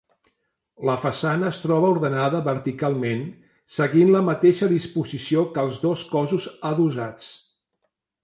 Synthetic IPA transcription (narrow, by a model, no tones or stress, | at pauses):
ləfəsanəːst̪ɾɔβ̞əuɾðənaðəβəɾt̪ikalˠmen | səɣinləmət̪eʃəðispuzisiokəlˠzðoskɔzuzaðuzat͡s